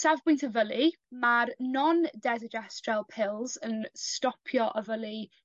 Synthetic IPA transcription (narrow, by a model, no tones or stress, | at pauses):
savbʊjntʰəvəlˠi | marnɔndɛzəd͡ʒastrɛlˠpʰɪlˠzənstɔpʰjɔʔəvəlˠi